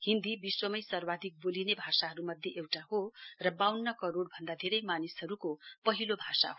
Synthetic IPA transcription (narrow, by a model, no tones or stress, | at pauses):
hind̪ibiswʌmʌjsʌrbad̪ʱik̚bolinebʱasaɦʌɾumʌd̪ʱjeʔewʈaɦorʌbawnːʌkʌɾorbʱʌnd̪ad̪ʱeɾʌjmanishʌɾukopʌɦilobʱasa̰ɦo